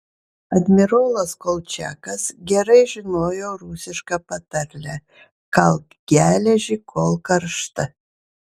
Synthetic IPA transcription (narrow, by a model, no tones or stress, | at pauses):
ɐd̪ʲmʲɪɾoːlˠɐskolʲˠt͡ʃʲæ̰ːkɐsɡʲɛɾɐɪʒʲɪnoːjoːɾusʲɪʃkɐpɐt̪ɐɾʲlʲɛ | kɐlˠk | ɡʲæːlʲɛʒʲikʰoːlˠkɐɾʃt̪ɐ